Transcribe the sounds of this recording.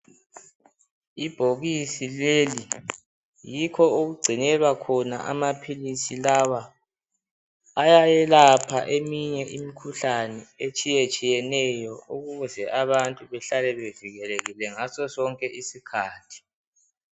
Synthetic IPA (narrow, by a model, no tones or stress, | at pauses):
ib̥ʱoɣisileli | jikʰɔoɣuɡ͡ǀʱinɛlwakʰɔna̰ʔa̰mapʰilisilawa | jajɛlapʰa̰ʔemiɲɛʔimikʰuɬanɛet͡ʃʼijet͡ʃʼijɛnɛjɔuɣuβuzɛʔaβantʼuβɛɬalɛβeviɣɛleɣilɛŋasɔsɔŋkʼɛʔisikʰaːtʰi̥